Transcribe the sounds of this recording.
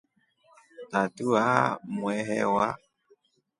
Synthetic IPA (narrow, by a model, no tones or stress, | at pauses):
tatuamwɛɦɛwa